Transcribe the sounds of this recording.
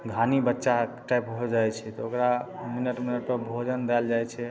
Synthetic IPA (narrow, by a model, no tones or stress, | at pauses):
ɡʱanibətːʃaʈajpɦod͡ʒajt͡ʃʰɛt̪ɔokɾa | minəʈminəʈ̚pəbʱod͡ʒənd̪ɛld͡ʒajt͡ʃʰɛ